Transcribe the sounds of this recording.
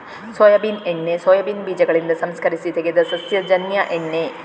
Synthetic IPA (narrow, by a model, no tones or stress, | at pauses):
soːjɐbinenːesoːjɐbinbiːd͡ʒɐɡɐɭind̪ɐsɐmskɐɾisit̪eɡed̪ɐsɐsjɐd͡ʒɐnjɐʔenːe